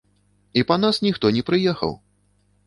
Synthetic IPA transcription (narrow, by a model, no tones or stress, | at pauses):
ipɐn̪asnʲixt̪ɔnʲɛpɾɨjɛxɐ̰w